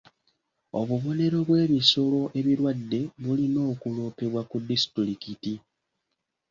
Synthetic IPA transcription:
o̞̰βuβo̞ne̞ɾo̞βwe̞ːβiso̞lo̞ʔe̞βiɾwadːe̞βulino̞ːkulo̞ːpe̞βwakudːistɾikiti

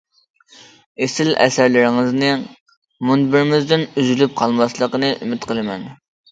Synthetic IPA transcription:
esɪlɛ̰sæɾlɪɾɪŋɪznɨ | munbɪɾɪmɪzd̪ɪnyzylyp̚qʰɑlˠmɑslˠəqənɨʔymɪt̪qʰəlˠɨmɛ̰n

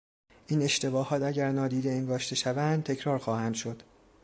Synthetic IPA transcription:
ʔiːne̞ʃt̪e̞bɒːhɒːt̪æɟæɾnɒːd̪iːd̪e̞eŋɡɒːʃt̪e̞ʃævænd̪̥t̪ʰe̞cʰɾɒːɾxɒːhænd̪ʃo̞d̪̥

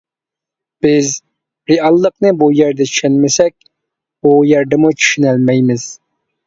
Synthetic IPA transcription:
b̥ɪz | ɾeɑlˠːəqnɨbujɛɾd̪ɛt͡ʃʰyʃɛnmɪsɛk̚ʲ | bujɛɾd̪ɛmut͡ʃʰy̥ʃynælmɛjmɪz̥

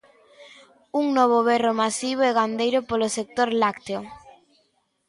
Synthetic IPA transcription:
uŋnɔβ̞oβɛromasiβ̞oɛɣand̪ejɾʊpolosek̚t̪oɾlakt̪eo

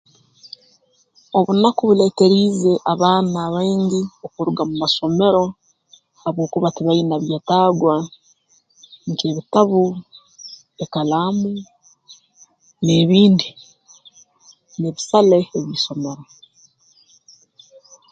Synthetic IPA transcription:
o̞βunakuβule̞ːte̞ɾiːze̞ʔaβaːnaːβaːɲɟiokuɾuɡamumaso̞me̞ɾo̞ | aβo̞ːkuβatiβainaβjataːɡwa | ŋkeβitaβu | ekalaːmu | neːβiːndi | neːβisaleeβiːso̞me̞ɾo̞

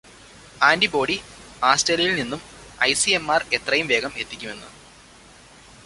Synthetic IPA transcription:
aːndibo̞ːɽi | aːsʈeːliɐjilninːum | ɐjsiemːaːre̞t̪rɐjumʋe̞ːɡɐme̞t̪ːikʲːume̞nːṵ

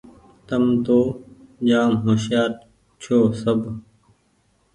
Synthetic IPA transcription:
t̪əmt̪oːʄaːmɦoːʃjaːt̪̚ | t͡ɕʰoːsəbʱ

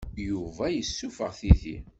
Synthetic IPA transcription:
juvæjəsːufə̰ʁθiðḭ

